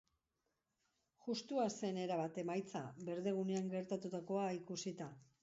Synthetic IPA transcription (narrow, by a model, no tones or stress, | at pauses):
ʝust̪uase̞ne̞ɾaβat̪e̞majt͡sa̰be̞ɾðe̞ɣ̞une̞aŋɡe̞ɾt̪at̪ut̪ako̞aikusit̪a